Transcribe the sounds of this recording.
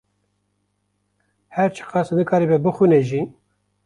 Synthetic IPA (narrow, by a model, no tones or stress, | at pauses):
hæɾt͡ʃʰɨ̥qɑsnɨkʰɑːɾibɛbɨxʷunɛʒi